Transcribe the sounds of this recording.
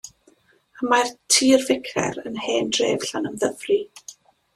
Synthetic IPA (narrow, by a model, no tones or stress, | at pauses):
amartʰiːrvɪkʰɛ̰ɾənheːnd̥rḛːv̥ɬanəmðəvri